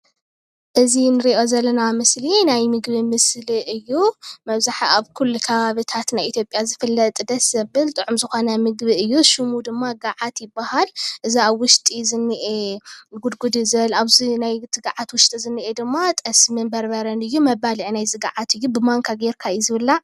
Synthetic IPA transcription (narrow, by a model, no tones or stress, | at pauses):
ʔɨzinɨɾiʔo̞zɐlːɐnamɨslinajmɨɡbimɨsliʔɨjːumɐβzaħaβkʰulːukʰɐβaβɨt̪ʰat̪najʔit̪ʰjo̞pʼjazɨfɨlːɐt̪ʼd̪ɐsɐbbɨlt̪ʼɨʕumzɨxo̞nɐmɨɡbiɨjːuʃumud̪ɨmːaɡaʕat̪jɪbːahalʔɨziaβwʊʃt̪ʼizɨnːiʔeɡud̪ɡud̪ɨzɐlaβzinajt̪ʰɨɡaʕat̪wʊʃt̪ʼizɨnːiʔed̪ɨmːat̪ʼɐsmɨnbɐɾbɐɾɐnɨjːumɐβaliʕinajzɨɡaʕat̪ʰɨjːubɨmaŋkʰaɡeɾkʰajzɨβɨlːa